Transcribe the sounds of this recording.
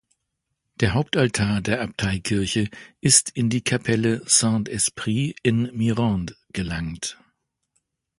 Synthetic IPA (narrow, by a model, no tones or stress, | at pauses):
d̥eːɐɦaʊp̚taltʰaːɐdeːɐʔap̚tʰaɪkʰɪɐçəʔɪstʰɪndiːkʰapʰɛləsãntɛspʁ̥iːɪnmiʁɑ̃nd | ɡ̥əlaŋt